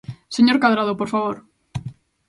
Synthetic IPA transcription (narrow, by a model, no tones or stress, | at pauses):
seɲoɾkaðɾaðopoɾfaβ̞oɾ